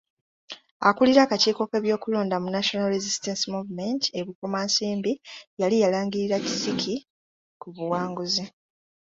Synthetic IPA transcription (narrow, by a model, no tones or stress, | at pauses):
a̰kuliɾakaciːko̞ke̞βjo̞ːkulo̞ːndamunaʃo̞nalɾezistensimuvume̞nti̥e̞βukomaːnsiːmbijalijalaːŋɡiɾiɾaci̥sikʰi | kuβuwaːŋɡuzi